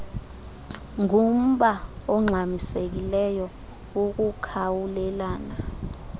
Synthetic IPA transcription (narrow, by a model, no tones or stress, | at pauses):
ŋum̩ɓaɔŋ͡ǁʱamisek̬ilɛjɔ | uk̬ukʰawulɛlaːna